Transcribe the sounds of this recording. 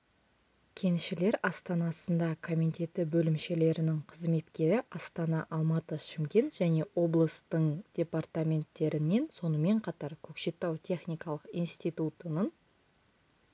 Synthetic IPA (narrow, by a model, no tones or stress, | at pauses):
kʲʰe̞nʃɪle̞ɾɑst̪ɑnɑsənd̪ɑkʰo̞mʲit̪ʲe̞t̪ɪbɵlɪmʃe̞le̞ɾɪnɪŋqʰəzme̞t̪kʲe̞ɾɪʔɑst̪ɑnɑʔɑlˠmɑt̪əʃɪmkʲe̞nʒ̥æne̞wo̞blˠəst̪əɴd̪̥ʲe̞part̪amʲe̞nt̪ːe̞ɾɪnːe̞nso̞nəme̞ɴqʰɑt̪ɑɾkʲʰɵkʃe̞t̪ːɑwt̪ʲʰe̞χnʲijkɑlˠəqijnst̪ijt̪ut̪ənən